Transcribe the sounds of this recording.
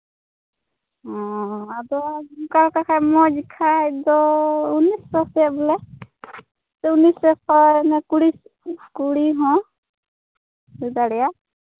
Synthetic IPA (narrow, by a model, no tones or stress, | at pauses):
ɦɔ̃adɔmkalkakʰajmɔd͡ʒikʰajd̪ɔunisɔsɛbulɛ | tɛunisɛkɔɛnɛkuɽiskuɽiɦɔ̃ | sid̪aɽɛja